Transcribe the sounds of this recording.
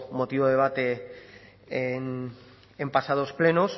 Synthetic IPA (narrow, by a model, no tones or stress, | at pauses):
mot̪iβoðeβ̞at̪e | en | empasað̞osplenos